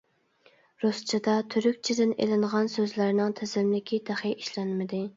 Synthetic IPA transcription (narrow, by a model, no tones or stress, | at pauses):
ɾust͡ʃʰid̪ɑt̪ʰyɾykʲt͡ʃʰid̪ɪnḛlɪŋʁɑnsøzlæɾnɪŋt̪ʰɪzɪmlɪkʲʰid̪æχiʔiʃlɛnmɪd̪ɪ